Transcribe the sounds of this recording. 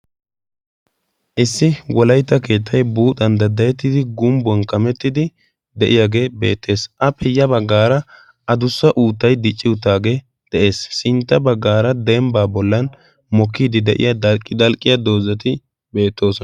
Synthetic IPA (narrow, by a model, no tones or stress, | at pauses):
ʔɪsːɪwɔlɐjt̪ːɐke̞ːt̪ʰːɐjbuːt̪ʼːɐnd̪ɐd̪ːɐjɛt̪ːɪd̪ɪɡʊmbɔnkɐmɛt̪ːɪd̪ɪ | d̪ɛʔɪjaːɡe̞be̞̰ːt̪ːe̞ːsʔɐpʰɛjːɐbɐɡːaːɾɐ | ʔɐd̪ʊsːɐʔuːt̪ːɐjd̪ɪt͡ʃʼːɪʊt̪ːaːɡe̞ː | d̪̥ɛʔe̞ːssɪnt̪ːɐbɐɡːaːɾɐd̪ɛmbaːbɔlːɐn | mɔkːiːd̪ɪd̪ɛʔɪ̰jɐd̪ɐlkʼːɪd̪ɐlkʼːɪjɐd̪o̞ːzɐt̪ɪ | be̞ːt̪ːo̞ːsɔ